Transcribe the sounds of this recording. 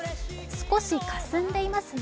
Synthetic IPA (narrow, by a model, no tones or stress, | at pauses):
sɨ̥ko̞ɕikasɨ̃nd̪e̞imasɨn